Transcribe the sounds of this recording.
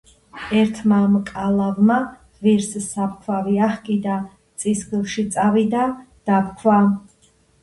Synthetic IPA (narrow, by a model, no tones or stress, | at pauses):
ɛɾt̪ʰmamkʼalˠavma | viɾssap̚kʰwaviaχkʼid̪a | t̪sʼisɡilˠʃit̪sʼavid̪ad̪̥apkʰwa